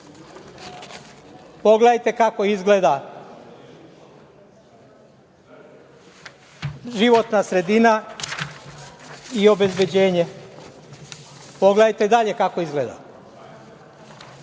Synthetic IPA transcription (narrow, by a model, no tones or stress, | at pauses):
po̞ɡleajt̪e̞kako̞izɡled̪a | ʒiʋo̞t̪nasɾe̞d̪ina | io̞be̞zbe̞d͡ʑe̞ːɲe̞ | po̞ɡleajt̪e̞d̪aʎe̞kako̞izɡleːd̪a̰